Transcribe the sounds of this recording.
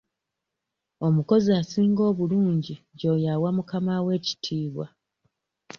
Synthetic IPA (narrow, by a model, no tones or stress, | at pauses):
o̞muko̞ziasiːŋɡo̞ːβuluːɲɟiɟo̞ːjawamukamawe̞ːci̥tʰiːβwa̰